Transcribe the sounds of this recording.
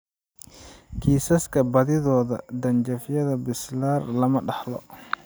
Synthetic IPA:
kʰiːsɐskʰɐbɐðɪðɔːðɐ̰d̪ɐnd͡ʒɐfɪjɐðɐbɪslaːrlɐmɐɖɑħlɔ̰

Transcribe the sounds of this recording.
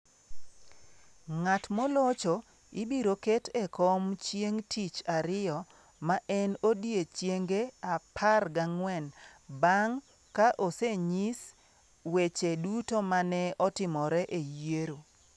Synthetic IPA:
ŋatmolɔt͡ʃo | ɪbiɾoketɛkɔmt͡ʃjeŋtʰit͡ʃaɾɪɔ | maʔɛnodjet͡ʃjeŋɡeapʰarɡaŋwɛnbaŋ | kaʔoseɲis | wet͡ʃedutomanɛɔtɪmɔɾɛʔejeɾo

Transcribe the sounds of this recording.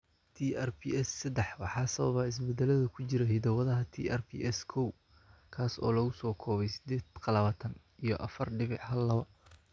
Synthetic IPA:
t̪ʰiːʔɛrpʰiɛsːɐd̪ɛħwɑħɑːsɐβɐ̰βaɪs̬bɛd̪ɛlɐðɐkʰʊt͡ʃɪɾɐɦɪd̪ɐwɐðɐɦɐt̪ʰḭːʔɛrpʰḭːʔɛskʰɔw | kʰaːsɔ̰ːlɐɣʊsɔːkʰɔːβɛjsɪ̥d̪ɛːd̪qɑlɐβaːt̪ʰɐn | ijɞʔɐfɐrɖɪβɪħhɐlːɐβɐ

